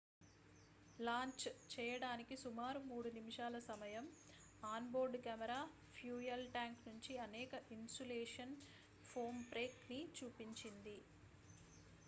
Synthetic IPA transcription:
laːɲt͡ʃt͡ʃɛːjɐɽaːnikisumaːɾumuːɽunimiʃaːlɐsɐmɐjɐm | aːnboːɾɖkaːmɛɾaː | pʰjuːjɐlʈaːŋknuɲt͡ʃiɐnɛːkɐʔinsuleːʂɐn | pʰoːmpɾeːknit͡ʃuːpiɲt͡ʃind̪i

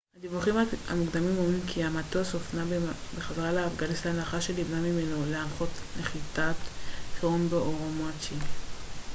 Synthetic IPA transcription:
had̪ivuχimaha̰muɡd̪amimomimkʰiamat̪oasofnabeχaveʁaleːfɡanistanlaχaʃelibnamimenoleamχo̞t̪leχitat̪feʁondoʔoʁomat͡ʃi

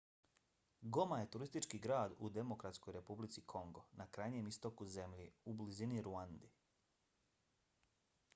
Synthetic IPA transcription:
ɡo̞maje̞t̪uɾist̪it͡ʃkiɡɾaːd̪ṵd̪e̞mo̞kɾat̪sko̞jɾe̞publit̪sikʰo̞ŋɡo̞nakɾajɲe̞mist̪o̞kuze̞mʎiubliziniɾuand̪i

